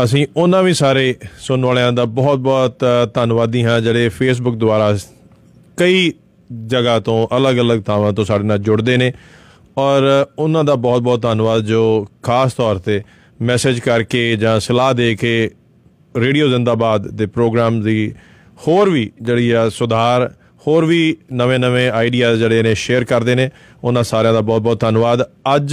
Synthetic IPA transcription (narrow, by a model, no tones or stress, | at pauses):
əs̬ĩːʊnãːʋiːsaːɾeːsʊnʋaːlãːd̪aːbɔːt̪̚bɔːt̪t̪ːənʋaːd̪iːɦãːd͡ʒeːɽeːpʰeːs̬bʊk̚d̪ʊaːɾaː | kəiː | d͡ʒəɡaːt̪õːʔələɡələɡ̚t̪ʰaːʋãːt̪õːsaːɖeːnaːld͡ʒʊɽd̪eːneː | ɔːɾʊnãːd̪aːbɔːt̪̚bɔːt̪ːaːnʋaːd̪d͡ʒoːkʰaːst̪ɔːɾt̪eː | mɛːseːd͡ʒkəɾkeːd͡ʒãːsəlaːɦd̪eːkʰeː | ɾeːɖijoːzɪ̃nd̪aːbaːd̪ːeːpɾoːɡɾaːmd̪iː | hoːɾʋiːd͡ʒeːɽiːɛːsʊd̪ʱaːɾ | hoːɾʋiːnəʋẽːnəʋẽːaːiɖijaːd͡ʒeːɽeːnẽːʃeːəɾkəɾd̪eːneː | ʊnãːsaːɾejãːd̪aːbɔːt̪bɔːt̪̚ənʋaːd̪əd͡ʒ